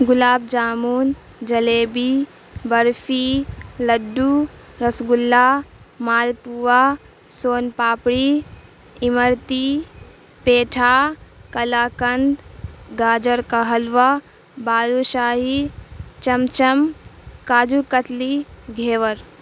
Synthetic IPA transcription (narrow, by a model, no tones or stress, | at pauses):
ɡʊlaːb̚d͡ʒaːmuːn | d͡ʒɐleːbi | bɐɾfʰilɐɖːu | ɾɐsɡulːaːmaːlpuʋaː | soːnpaːpɽi | ɪməɾt̪i | peːʈʰaːkɐlaːkɐnd̪ɡaːd͡ʒəɾkɐɦəlʋaː | baːluʃaːɦit͡ʃɐmt͡ʃɐmkaːd͡ʒuːkət̪ʰliɡʱeːʋəɾ